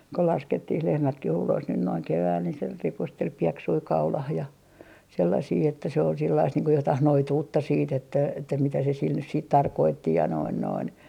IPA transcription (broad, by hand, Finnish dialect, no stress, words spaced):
ko lɑsketːih lehmætkih ulos nyn noiŋ keʋæːl ni se ripustel pieksui kɑulɑh jɑ selːɑsiː etːæ se ol silːɑist niːŋ ko jotɑh noituːtːɑ siːt etːæ etːæ mitæ se sil nys siːt tɑrkoːtːi jɑ noin noin